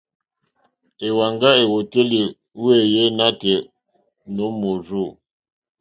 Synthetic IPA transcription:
e˨wa˨ŋɡa˦e˨wo˨te˦li˨ | we˦˨je˦na˦tɛ˨ | no˨˦mo˨zo˦˨

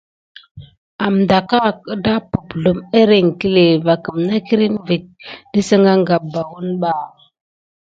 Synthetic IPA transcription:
a˨m˨da˨ka˦˨kə˦da˦pu˨pɮu˨me˦ɾe˨ŋ˨ki˦le˨va˨kə˨mna˦ki˦ɾi˦nvi˨k̚də˦sə˦ŋɡa˦ŋɡa˨ba˨wu˦nɓa˦

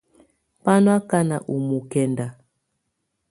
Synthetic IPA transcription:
pa˦nwa˦ka˦na˨ʔu˨mu˨kɛ˨nda˨

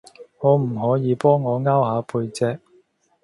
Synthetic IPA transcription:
ŋɔː˨˧m̩˨˩ɦɔː˨˥jiː˨˧pɔː˥ŋːɔː˨˧ŋaː˥whaː˨˥pʰuː˧jt͡sɛː˧k̚

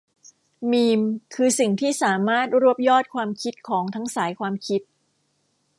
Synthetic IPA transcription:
miː˧mkʰɯː˧si˨˩ŋt̪ʰiː˥˩saː˩˦maː˥˩t̪̚ɾu˥˩əp̚jɔː˥˩t̪̚kʰwaː˧mkʰi˦˥t̪̚kʰɔː˩˦ŋt̪ʰa˦˥ŋsaː˩˦jkʰwaː˧mkʰi˦˥t̪̚

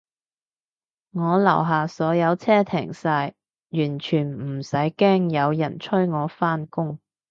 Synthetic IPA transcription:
ŋɔː˨˧lɐ˨˩wɦaː˨˩sɔː˨˥jɐ˨˧wt͡sʰɛː˥t̪ʰɛː˨˩ŋsaː˧j | jyː˨˩nt͡ʃʰyː˨˩nm̩˨˩sɐ˨˥jkɛː˥ŋjɐ˨˧wjɐ̰˨˩nt͡ʃʰɵ˥ɥŋɔː˨˧faː˥nkʊ˥ŋ

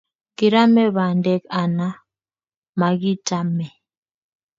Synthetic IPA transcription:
ki˨ɾa˦mɛ˦βa˨ndɛ˦ka˨na˦ | ma˨ki˦ta˦mɛ˨

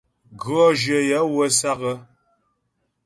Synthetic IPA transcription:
ɡɰɔ˦ʒə˨ja˨˦wə˦sa˦ɣə˦

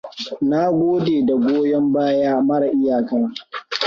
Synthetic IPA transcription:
na˦ɡʷoː˦deː˨da˨ɡʷoː˦jɔ˦mbaː˦jaː˦mɐ˦ɽa˨ʔɪ˦jaː˨kɐ˦na˨

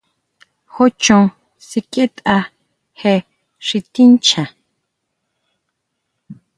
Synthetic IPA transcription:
ho˦t͡ʃõ˨ŋ | si˨kʼe˦t̪ʼa˧ | he˧ | ʂi˨t̪i˦nt͡ʃʰa˨

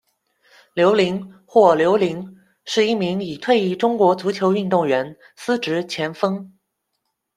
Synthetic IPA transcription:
ljo˧˥ʊli˧˥ŋxwɔ˥˩ljo˧˥ʊli˧˥ŋ | ʂɻ̩˥˧i˥˩mi˧˥ŋi˨˩t̪ʰwe˥˧ɪi˥˩ʈ͡ʂʊ˥ŋkwɔ˧˥t͡su˧˥t͡ɕʰjo˧˥ʊy˥˧nt̪ʊ˥˩ŋɥɛ˧˥n | sɹ̩˥ʈ͡ʂɻ̩˧˥t͡ɕʰjɛ˧˥nfɤ˥ŋ

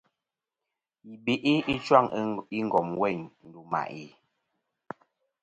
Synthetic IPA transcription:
i˨be˨ʔi˦i˦t͡ʃwa˦˨ŋi˦ŋ˨ɡɔ˨mwɛ˦˨ɲn̩˨du˨ma̰˨ʔi˨

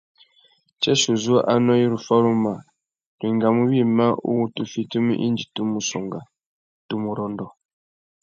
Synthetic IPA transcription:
t͡ʃɛ˦so˨zu˦a˦ʔa˦nɔ˦ji˦ɾu˨fa˦ɾu˦ma˨ | ɾi˨ŋɡa˨mu˦βi˦˨ma˦ʔṵ˦wu˦tu˦fi˦tu˦mḭ˦ʔḭ˦nd͡ʒi˨tu˦mu˨sɔ̰˨ŋɡa˨ | tu˦mu˨ɾɔ˨ndɔ˨

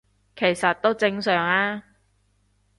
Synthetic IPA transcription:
kʰe˨˩jsɐ˨t̪̚o˥wt͡sɪ˧ŋsœː˨˩ŋaː˥

